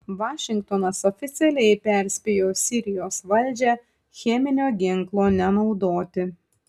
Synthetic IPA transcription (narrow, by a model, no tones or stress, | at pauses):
ʋɑːʃʲɪŋkt̪onɐsɔfʲɪt̪sʲɛlʲɛɪpʲɛˑɾʲsʲpʲejoːsʲɪɾʲɪjoːsʋɐlʲd͡ʒʲɛ | xʲɛmʲɪnʲoːɡʲɪŋklˠoːnʲɛnɒʊd̪oːt̪ʲɪ